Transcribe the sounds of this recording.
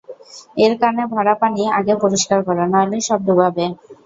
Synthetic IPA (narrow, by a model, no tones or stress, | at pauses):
eɾkaɾonebʱaɽapaniaɡepoɾiʃkaɾkɔɾanɔleʃɔb̚d̪ubʱabe